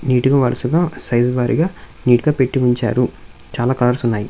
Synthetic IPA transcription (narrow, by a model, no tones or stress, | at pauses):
niːʈuɡaːʋɐɾɐsuɡaːsɐjzʋaːɾḭɡaː | niːʈuɡaːpe̞ʈːiʋuɲt͡ʃa̰ːɾut͡ʃaːlaːkɐlːɐɾsunːaːji